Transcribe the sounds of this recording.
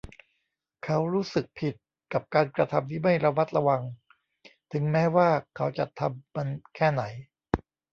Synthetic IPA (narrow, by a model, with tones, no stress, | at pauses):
kʰa˦˥wɾuː˦˥sɯ˨˩k̚pʰi˨˩t̪̚ | ka˨˩p̚kaː˧nkɾa˧t̪ʰa˧mt̪ʰiː˥˩ma˥˩jɾa˧ma˦˥t̪̚ɾa˧wa˧ŋ | t̪ʰɯ˩˦ŋmɛː˦˥waː˥˩kʰa˦˥wt͡ɕa˨˩t̪ʰːa˧mːa˧nkʰɛː˥˩na˩˦j